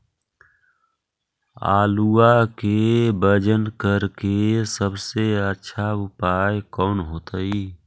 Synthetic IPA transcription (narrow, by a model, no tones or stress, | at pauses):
a̰ːluakebəd͡ʒənkəɾkesəbseətːʃʰaʊpaːjkɔːnɦoːt̪əi